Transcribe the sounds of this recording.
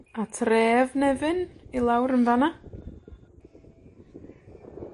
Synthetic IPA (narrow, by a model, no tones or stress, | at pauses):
atʰreːvnɛvɨnilˠawɾənvana